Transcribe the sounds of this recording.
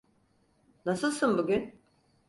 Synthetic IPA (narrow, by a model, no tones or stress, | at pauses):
nasɯlˠsɯnbuɟʲyn